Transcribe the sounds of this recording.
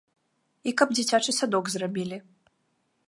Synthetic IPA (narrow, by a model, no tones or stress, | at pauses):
ikɐbd͡zʲit͡sʲat͡ʂɨsad̪ɔɡzrabʲilʲi